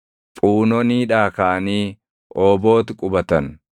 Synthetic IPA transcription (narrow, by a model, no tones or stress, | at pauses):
pʼuːnɔniːᶑaːkaʔɐniː | ʔoːbo̞ːt̪ɪkʼʊbɐt̪ɐn